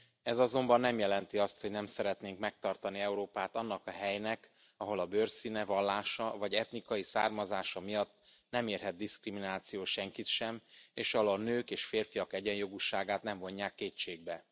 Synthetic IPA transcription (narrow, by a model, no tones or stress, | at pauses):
ɛzɒzo̞mbɒnːɛmjɛlɛnt̪iɒst̪ho̞ɟnɛmsɛɾɛt̪neːŋkmɛk̚t̪ɒrt̪ɒniɛuɾoːpaːt̪ɒnːɒkɒɦɛjnɛk | ɒɦo̞lɒbørsinɛvɒlːaːʃɒvɒɟɛt̪nikɒjisa̰ːrmɒzaːʃɒmijɒt̪ː | nɛmeːrɦɛd̪̚d̪iskriminaːt̪sijoːʃɛŋkit̪ʃɛmeːʃɒlonøːkeːʃfeːrfijɒkɛɟɛɲjo̞ɡuʃaːɡaːt̪nɛɱmvo̞ɲːaːkːeːt͡ʃeːɡ̚bɛ